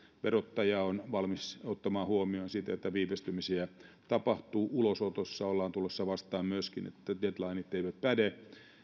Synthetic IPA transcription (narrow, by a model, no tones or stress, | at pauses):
ʋerot̪ːɑjɑonʋɑlmisot̪ːɑmɑːhuomionsit̪æet̪ːæʋiːpest̪ymisiæ | t̪ɑpɑht̪uːʔulosot̪osːɑolːɑːnt̪ulːesːɑʋɑst̪ɑːmmyøskinḛt̪ːædet̪lɑinit̪teiʋæt̪pæde